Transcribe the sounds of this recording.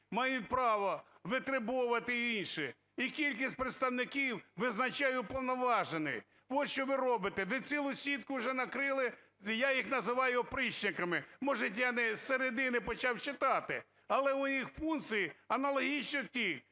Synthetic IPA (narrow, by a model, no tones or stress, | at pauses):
mɑjʊt̚ʲpɾɑʋɔʋɪt̪ɾɪbɔʋɐt̪ɪinʃɪ | ikʲilʲk̬ʲisʲt̚ʲpɾet̪st̪ɐwnɪkʲiwʋɪznɐt͡ʃɑjʊpɔwnɔʋɑʒenɪ̰j | ʋɔt̪ʃt͡ʃɔʋɪɾɔbɪt̪ɛʋɪt͡sʲilˠʊsʲʋʲit̪kʊwʒɛnɐkɾɪlˠɪ | jajixnɐzɪʋɑjʊɐpɾɪt͡ʃnɪkɐmɪmɔʒɪtʲjanɛseɾed̪ɪnɪpɔt͡ʃɑwt͡ʃɪt̪ɑt̪ɪ | ɐlˠɛʊjixfunk̪t̪sɨjiɐnɐlˠɔɦʲit͡ʃnɔtʲik